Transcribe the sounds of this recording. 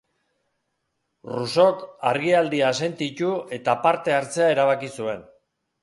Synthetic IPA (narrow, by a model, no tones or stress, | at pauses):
ruso̞kaɾɣiald̪ias̬e̞nt̪it͡ʃue̞t̪apaɾt̪e̞aɾt͡se̞ae̞ɾaβ̞akisue̞n